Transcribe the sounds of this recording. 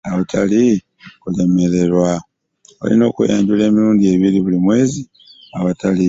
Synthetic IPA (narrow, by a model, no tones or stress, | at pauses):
aβutʰali | kule̞me̞ɾe̞ɾwa | o̰lḭno̞ːkṵjaːɲɟule̞ːmiɾuːndie̞βiɾiβulimwe̞ːzi | aβatali